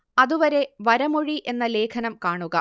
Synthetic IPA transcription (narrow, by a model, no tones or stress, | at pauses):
ɐðuʋɐɾe̞ʋɐɾɐmoɻiʔe̞nːɐle̞ːkʰɐnɐmkaːɳuɣɐ